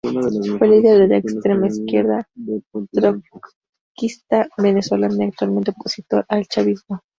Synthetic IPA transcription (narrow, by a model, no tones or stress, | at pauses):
fweliðaðelaekst̪ɾe̞maiskje̞ɾðat̪ɾo | kist̪aβe̞neswelaniak̚t̪walme̞nt̪eoposit̪o̞ɾʔalt͡ʃaβizmo